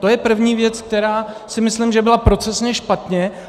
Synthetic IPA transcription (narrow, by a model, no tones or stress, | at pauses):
t̪o̞jɛpr̩vɲiːvjɛt͡sk̚t̪ɛɾaː | sɪmɪslɪmʒɛbɪlapɾo̞t͡sɛsɲɛʃpat̪ɲɛ